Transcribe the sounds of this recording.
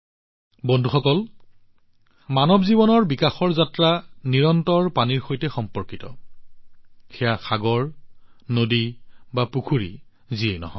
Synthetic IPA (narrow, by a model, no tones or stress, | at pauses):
bɔndʱuxɔkɔl | manɔbzibɔnɔɹbikaxɔɹzatɹaniɹɔntɔɹpaniɹxojtɛxɔmpɔɹkitɔ̰ | xɛjaxaɡɔɹnodibapukʰuɹḭ | ziejnɔ̰ɦɔ̰̃